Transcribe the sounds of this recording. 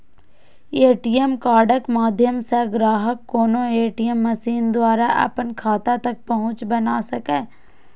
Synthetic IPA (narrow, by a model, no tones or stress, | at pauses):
eːʈijemkaːɖəkmaːd̪ʱjəmseɡɾaːɦəkːoːnoeːʈijəmːɐsiːnd̪waːɾaʔɐ̰pənkʰaːt̪at̪ɐk̚pɐɦʊ̃t͡ʃbɐnasɐkeː